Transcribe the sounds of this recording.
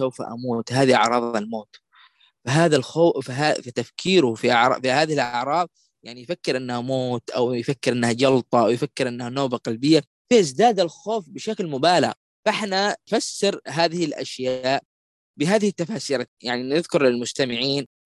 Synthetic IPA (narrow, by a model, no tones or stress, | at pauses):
sawfa̰ʔa̰muːt̪haːðiʔaʕɾˤɑːðˤalmoːt̪ | faɦaːðalxoːfafat̪afkʰiːɾʊfiʔaʕɾˤɑ̰fihaːðɪhɪlʔɑʕɾˤɑːðˤ | jaʕnijfakːɪɾʔɪnːahamoːt̪ʔa̰wjfakːɪɾʔɪnːhad͡ʒɑlt̪ˤɑʔawjfakːɪɾʔɪnːahanoːbaqalbɪjːa | fiʔɪzd̪aːd̪alxoːfbɪʃaklmʊbaːla̰ɣ | faħnafasːɪɾɦaːðɪhɪlʔa̰ʃjaaːʔ | bɪɦaːðɪhɪt̪ːafaːsiːɾajaʕninɪðkʊɾlɪlmʊst̪amɪʕiːn